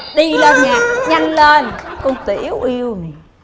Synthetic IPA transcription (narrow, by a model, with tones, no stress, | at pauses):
ɗi˧lə˧ɲaː˨ʔɲa˧jŋleː˧nkʊ˧ŋ͡mt̪i˧˨˦wʔi˧əwni˨˩